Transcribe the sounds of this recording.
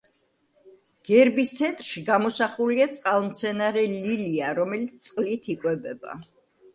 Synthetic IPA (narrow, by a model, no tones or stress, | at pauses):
ɡ̥ɛɾbist̪sʰɛnt̪ʼɾʃiɡamɔsaχuliat̪sʼqʼalˠmt̪sʰɛnaɾɛliliaɾɔmɛlit̪ssʼqʼlit̪ʰikʼwɛbɛba̰